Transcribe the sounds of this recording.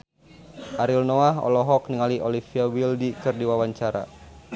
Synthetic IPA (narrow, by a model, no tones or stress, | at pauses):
ʔaɾilnoaɦɔ̰lɔɦɔk̚niŋaliʔolifiawildikɨrdiwawaɲt͡ʃaɾa̰